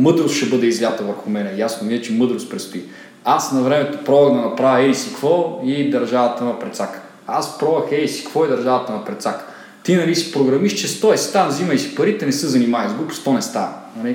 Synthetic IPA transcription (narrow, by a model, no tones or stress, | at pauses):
mɤd̪ɾost̪ʃɛbɤd̪ɛizlʲat̪ɐvɐɾxʊmɛnɛjasnoviɛt͡ʃɛmɤd̪ɾost̪pɾɛt̪st̪ui | asnɐvɾɛmɛt̪opɾɔvɐɣd̪ɐnɐpɾavʲɐɛisikvɔid̪ɐɾʒavɐt̪ɐnɐpɾɛt̪sakə̥ | aspɾɔvɐxɛisi̥kvɔid̪ɐɾʒavɐt̪ɐnɐpɾɛt̪sakə̥ | t̪inɐlisi̥pɾoɡɾɐmiʃt͡ʃɛst̪ɔɛst̪anɐzimɐisi̥pɐɾit̪ɛnɛsɤzɐnimajizɡlupst̪ɔnɛst̪a̰nɐli